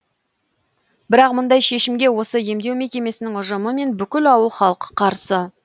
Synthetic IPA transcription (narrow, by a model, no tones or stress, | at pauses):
bɪɾɑqmʊnd̪ɑjʃe̞ʃɪmɡʲe̞wo̞səje̞md̪e̞wmekʲe̞me̞sɪnɪŋʊʒəməme̞nbʏkʲɪlɑwəlˠχɑlˠəqə̥qʰɑɾsə